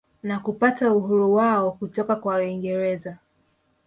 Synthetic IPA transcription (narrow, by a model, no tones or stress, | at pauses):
nakupatauhuɾuwaɔkutɔkakwawiŋɡɛɾɛza